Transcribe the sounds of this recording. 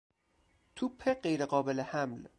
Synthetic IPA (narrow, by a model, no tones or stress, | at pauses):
t̪ʰupʰːeɢejɾeɢɒːbelehæml